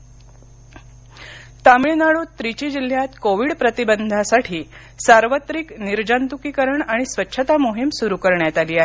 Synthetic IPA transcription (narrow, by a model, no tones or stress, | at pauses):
t̪amɭinaɭuːt̪ɾit͡ɕiːd͡ʑil̤jat̪koʋiɽpɾət̪ibənd̪ʱasaʈʰiː | saɾʋət̪ɾikniɾd͡ʑant̪ukiːkəɾəɳaɽ̃isʋətːɕʰət̪amoɦimsuɾukəɾɳjat̪aliːaɦe